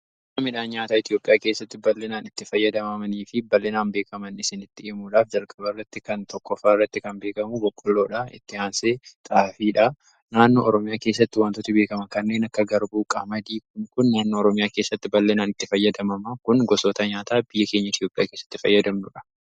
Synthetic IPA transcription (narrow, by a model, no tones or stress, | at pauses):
mɐmɪᶑaːɲaːt̪aːɪt̪ɪjo̞ːpʼɪjaːke̞ːsːɐt̪ːɪbɐlːɪnaːnɪt̪ːɪfɐjːɐd̪ɐmɐmɐniːfɪbɐlːɪnaːnbe̞ːkɐmɐnɪsɪnɪt̪ːɪeːmuːᶑaːfd͡ʒɐlkʼɐbɐɪrːɐt̪ːɪkɐnt̪ɔkːɔfaːrːɐt̪ːɪkɐnbe̞ːkɐmubɔkʼːʊlːo̞ːᶑɐɪ̰t̪ːɪaːnse̞ːt̪ʼaːfiːᶑɐ | naːnːoːʔːɾɔmɪjaːke̞ːsːɐt̪ːɪwant̪ʊt̪ʊbe̞ːkɐmɐkɐnːe̞ːnɐkːɐɡɐɾbuːkʼɐ̰mɐd̪iːkʊŋkʊnːaːnːoːɾɔmɪjaːkeːsːɐt̪ːɪbɐlːɪnaːnɪt̪ːɪfɐjːɐd̪ɐmɐmɐkʊnɡɔsoːt̪ɐɲaːt̪aːb̥ɪjːɐke̞ːɲːɐɪt̪ʰjoːpʼɪja̰ːkeːsːɐ̥t̪ːɪfɐ̰jːɐd̪ɐmnʊᶑɐ̥